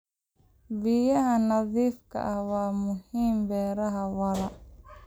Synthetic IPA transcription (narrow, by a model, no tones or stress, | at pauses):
bijɐɦɐnɐðiːfkʰɐ̰ʔɐhwaːmʊhiːmbɛːɾɐɦɐwɐlɐ